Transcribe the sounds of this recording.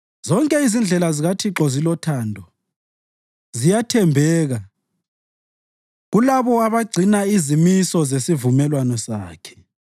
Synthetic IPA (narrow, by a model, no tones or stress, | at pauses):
zɔŋkʼɛizind͡ɮʱɛlaziɣatʰiǁɔzilɔtʰaːndʱɔ | zijatʰɛmbʱɛːɣa | ɣulaβɔaβaɡ͡ǀʱinaizimisɔzesivumɛlwanɔsaːkʰɛ̥